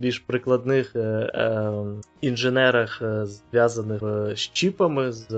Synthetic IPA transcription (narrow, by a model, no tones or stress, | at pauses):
bʲilʲʒpɾɪklˠɐd̪nɪx | inʒenɛɾɐxzʋʲjazɐnɪʃt͡ʃipɐmɪz